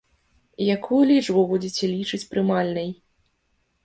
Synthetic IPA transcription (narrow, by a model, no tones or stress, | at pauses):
jakʰujulʲit͡ʂbubud͡zʲet͡sʲɛlʲit͡ʂɨt͡sʲpɾɨmalʲnɐj